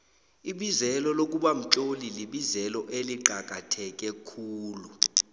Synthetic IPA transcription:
iɓizɛlɔlok̬ʼuɓam̩t͡ɬʼoliliɓizɛlɔʔeliǃʱak̬ʼatʰɛk̬ʼɛkʰuːlu

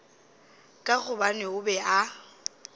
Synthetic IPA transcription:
kʼaɣʊbanɪʊbɛʔa

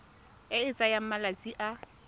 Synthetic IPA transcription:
ɪɪt͡sʼajam̩malat͡sʼiʔa

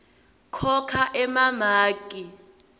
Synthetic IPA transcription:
kʰɔkʰaʔɛmamaːkʼi

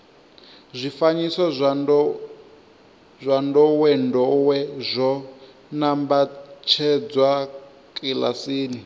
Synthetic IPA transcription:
zʷifaɲisɔ | zʷandɔwɛndɔwɛzʷɔ | nambat͡ʃʰɛd͡zwa | kʼila̰siːni

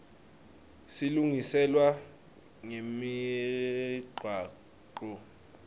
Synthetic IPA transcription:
siluŋisɛlwa | ŋemi | ɡ͡ǃʱwaː | ǃɔ

